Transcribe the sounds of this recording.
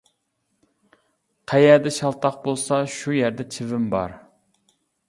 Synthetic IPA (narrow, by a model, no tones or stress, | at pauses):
qʰæjɛɾd̪ɛʃɑlˠt̪ʰɑq̚bolˠsɑʃujæɾd̪ɛt͡ʃʰɪvɪmbɑ̰ɾ